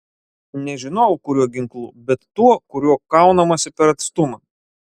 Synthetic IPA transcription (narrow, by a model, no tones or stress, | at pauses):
nʲɛʒʲɪnɔkʊɾʲuɔɡʲɪŋklˠṵːbʲɛt̪ːuɔkʊɾʲuɔkɑˑʊnɐmɐsʲɪpʲɛɾɐt̪st̪ʊmɐ